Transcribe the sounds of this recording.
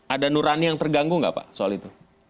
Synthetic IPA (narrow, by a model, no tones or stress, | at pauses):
ʔadanuɾanijaŋt̪ərɡaŋɡʊŋɡa̰pa̰soalit̪u